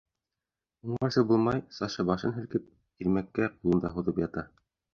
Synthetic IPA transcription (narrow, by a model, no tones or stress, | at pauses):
uɴɑɾsɤbulˠmɑjsɑʃɤbɑʃɤnɦɘ̆lkɘp̚ | ilmækːæjulˠɤ̆nd̪ɑɦuðɤpjɑt̪ɑ